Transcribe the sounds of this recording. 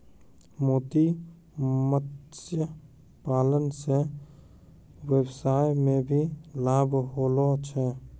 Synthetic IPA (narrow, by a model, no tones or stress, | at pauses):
moːt̪i | mət̪sjə | paːlənse | weːbsaːɪmẽbʱilaːbʱɦolɔt͡ʃʰɛ